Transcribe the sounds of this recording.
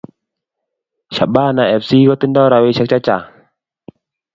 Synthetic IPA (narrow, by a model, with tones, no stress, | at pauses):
ɕa˨˩baː˧˨na˧˨ʔɛ˧˩p̚si˧kɔ˧˦t̪i˧˥˨ndɔ˥˨ɾa˧wi˧˨ɕʰa˧˦˥k̚t͡ɕa˧t͡ɕa˨